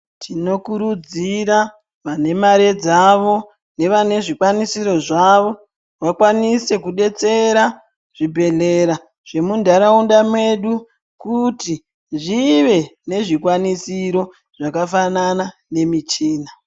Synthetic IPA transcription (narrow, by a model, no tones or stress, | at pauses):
tʰino̞kuɾud͡ziɾa | ʋane̞maɾed͡zaʋo̞ | ne̞ʋane̞ʐikwanisiɾo̞ʐaʋo̞ | wakwanise̞kuɗe̞t͡se̞ɾa | ʐ̥ibʱe̞ɮe̞ɾa | ʐ̥e̞mundaɾaundamwe̞ɗu | kuti | ʐiʋe̞ne̞ʐikwanisiɾo̞ | ʐ̥akafananane̞mit͡ʃiːna